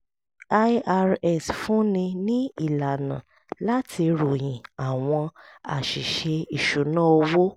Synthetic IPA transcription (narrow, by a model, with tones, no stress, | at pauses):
a˦a˧ɾɛ˦˨sfũ˦nĩ˧nĩ˦i˦˨la˨nã̰˨ | la˦tʰi˧ɾo˨j̃ĩ˨a˨w̃ɔ̃˧a̰˨ʃi˨ʃe˧i˨ʃu˨˦nã˦o˧wo˦